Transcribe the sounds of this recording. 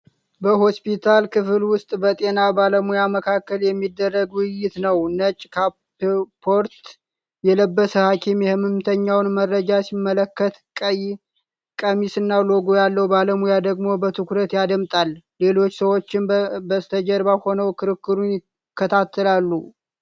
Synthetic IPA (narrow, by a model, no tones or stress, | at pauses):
bəho̞spit̪ʰalkʰɨfɨlwʊst̪ʼbət̪ʼe̞nabaləmujaməkʰakːəljɛmːid̪ːərːəɡwɪjɪt̪nəwnət͡ʃʼkʰa | pʰo̞ɾt̪ | jɛləbːəsəhakʰimjɛhɨmɨmt̪ʰəɲːawnmərːəd͡ʒasimːələkːət̪kʼəj | kʼəmisɨnːalo̞ɡojalːəwbaləmujad̪əɡmo̞bət̪ʰɨkuɾət̪jad̪əmt̪ʼalle̞lo̞t͡ʃːsəwo̞t͡ʃːɪnbəst̪ʰəd͡ʒəɾbaho̞nəwkʰɨɾɨkːɨɾunɪ | kʰːət̪ʰat̪ʰːəlalːu